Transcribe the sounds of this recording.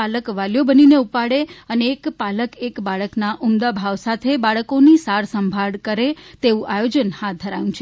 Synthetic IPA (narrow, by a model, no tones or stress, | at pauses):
aləkʋaljobənineupaɽeəneːkpaləkekbaɭəknaʔumd̪abʱaʋsat̪ʰebaɭəkonisaɾsəmbʱaɽkəɾet̪eʋũʔajod͡ʒənhat̪̚d̪ʱəɾajũt͡ʃʰe